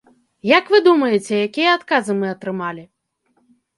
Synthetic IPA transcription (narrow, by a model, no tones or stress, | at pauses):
jɐkvɨd̪umɐjɛt͡sʲɛjakʲijɐat̪kazɨmɨɐt̪ɾɨmalʲi